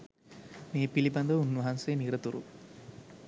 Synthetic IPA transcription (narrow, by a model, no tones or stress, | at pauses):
meːpiliband̪əʋunːʋɐɦansejːniɾət̪uɾṵ